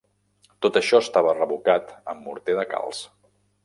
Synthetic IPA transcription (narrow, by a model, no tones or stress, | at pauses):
t̪ot̪əʃɔəst̪aβərəβukat̪əmːṵɾt̪eðəka̰lˠs